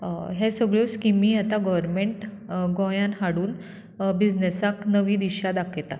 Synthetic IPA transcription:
ɦesəɡɭjoskimĩːat̪aɡəʋəɾmeɳʈ | ɡɔ̃jãnɦaɽuːn | bid͡znesaknəʋĩːd̪iɕad̪akʰet̪a

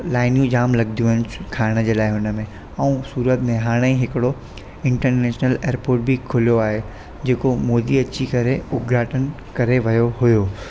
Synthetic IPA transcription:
laːɪnjũd͡ʑaːmlɐɡ̚d̪ʱijũɦənɪ̆kʰaːɽ̃ə̆d͡ʑeːlaːɪɦʊnə̆mẽ | ɐũsuːɾət̪mẽɦaːɽ̃eiɦɪkɪɽo | ɪ̃ɳʈəɾneːʃnəleːɾpoːɾʈ̚bʱikʰʊlijoaːɦe | d͡ʑeːkomɔːd̪iɐt͡ɕikɐɾeʊɡɾaːʈʰən | kɐɾeʋɐjoɦʊjoː

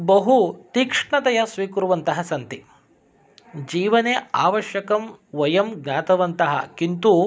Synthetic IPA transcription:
bɐɦut̪iːkʂɳɐt̪ɐjɐsʋiːkuɾuʋɐnt̪ɐɦɐsɐnt̪i | d͡ʒiːʋɐneːaːʋɐʃjɐkɐmʋɐjɐmɡɲaːt̪ɐʋɐnt̪ɐɦɐ̰kint̪u

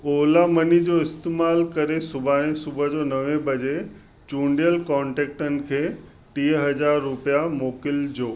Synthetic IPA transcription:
oːlamɐnid͡ʑoɪst̪eːmaːlkɐɾesʊbʱaːɽ̃esʊbʱəd͡ʑoːnɐʋẽbɐd͡ʑe | t͡ɕũːɳɖijəlkɔ̃ːɳʈeːk̚ʈənɪ̆kʰeː | ʈiːəɦɐd͡ʑaːɾːʊpijamoːkɪld͡ʑoː

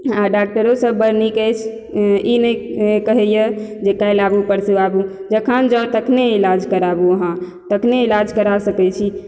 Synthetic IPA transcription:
aɖak̚ʈəɾosəbbəɾnikɛt͡ʃʰ | inəjkəɦɛjəd͡ʒekajlabupəɾseabud͡ʒəkʰand͡ʒət̪əkʰneilad͡ʒkəɾabuəɦã | t̪əkʰneilad͡ʒkəɾasəkɛt͡ʃʰi

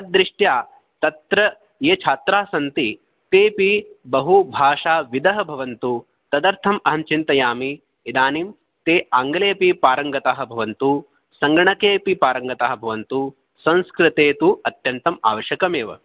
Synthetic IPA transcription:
ɐd̪ɾiʂʈjaː | t̪ɐt̪ɾɐ | jeːt͡ʃʰaːt̪ɾaːsɐnt̪i | t̪eːpibɐɦubʱaːʂaːʋid̪ɐɦɐbʱɐʋɐnt̪u | t̪ɐd̪ɐɾt̪ʰɐmɐɦɐmt͡ʃint̪ɐjaːmi | id̪aːniːm | t̪eːaːŋɡɐleːpipaːɾɐŋɡɐt̪aːɦɐ̆bʱɐʋɐnt̪u | sɐŋɡɾɐɳɐkeːpipaːɾɐŋɡɐt̪aːɦɐ̆bʱɐʋɐnt̪u | sɐ̃nskɾɪt̪eːt̪uɐt̪jɐnt̪ɐma̰ːʋɐʃjɐkɐmeːʋɐ̰

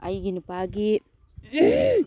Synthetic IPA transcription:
ɐ̰jɡinipaɡi

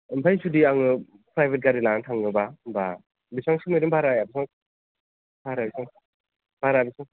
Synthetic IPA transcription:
ɯmpʰajsudiaŋɯ | pɾajbet̚ɡaɾilaŋatʰaŋːɯbaba | bisaŋsumiɾibʱaɾajabisaŋ | b̥ʱaɾabisaŋ | b̥ʱaɾabisaŋ

